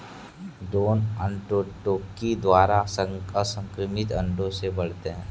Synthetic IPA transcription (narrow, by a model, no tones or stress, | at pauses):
ɖɾoːnə̃ɳʈoʈoːkːid̪waːɾasəəsə̃ŋkɾəmɪt̪ɐ̰̃ɳɖõsebɐɽ̤t̪eɦɛ̃ː